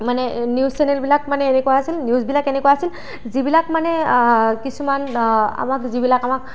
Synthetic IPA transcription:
manɛnjussɛnɛlbilakmanɛenɛkɔwaɦasilnjuzbilakenɛkɔjaɦasil | zibilakmanɛkisumana̰makzibilakamak̚

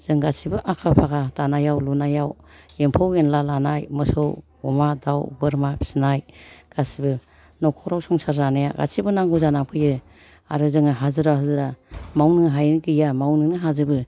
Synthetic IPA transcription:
z̥ɯŋɡasibɯʔakʰapʰaɡatanajawlunajaw | empʰawenlalanajmɯsɯw | ɔmadawɡɯɾmapʰi̥sinajɡ̥asibɯ | nɔkʰɔwɾawsɔŋsaɾːanaja̰ɡa̰sibɯnaŋɡuzanamkʰɯjɯ | a̰ɾɯzɯŋaɦazɯɾaɦazɯɾamawnɯŋɦajnkɯjamawnɯnɯɦazɯbɯ

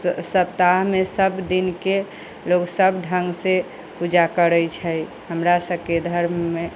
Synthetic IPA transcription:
səp̚t̪aɦmesəbd̪inke | loksəbɖʱəŋɡse | pud͡ʒakəɾəjt͡ʃʰəj | ɦəmɾasəbʱked̪ʱəɾmːe

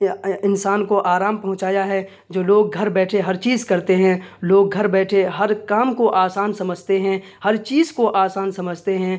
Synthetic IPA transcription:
ɪ̃nsaːnkoʔaːɾaːmpɐɦʊ̃t͡ʃaːjaɦɛ | d͡ʒoːloːɡ̚ɡʱɐɾbɛːʈʰeɦɐɾt͡ʃiːzkɐɾt̪eɦɛ̃loːɡʱɐɾbɛːʈʰeɦɐɾkaːmkoʔaːsaːnsɐməd͡ʒʱt̪eɦɛ̃hɐɾt͡ʃiːzkoʔaːsaːnsɐməd͡ʒʱt̪eɦɛ̃

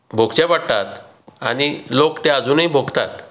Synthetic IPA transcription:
bʱoɡt͡ɕɛ̃baɽt̪at̪ | a̰ɽ̃ilokt̪eəd͡zuːnɦibʱoɡt̪at̪

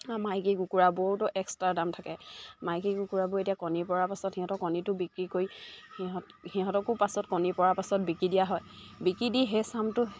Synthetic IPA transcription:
amajkiɡukuɹabʊotʊʔɛkstɹadamtʰakɛmajkiɡukuɹabʊetijakɔnipɔɹapasɔtxiɦɔ̃tɔkɔnitʊbikɹikojhiɦɔthiɦɔ̃tɔkʊpasɔtkɔnipɔɹapasɔt̚bikɹidijaɦɔjbikɹidiɦesamtʊ

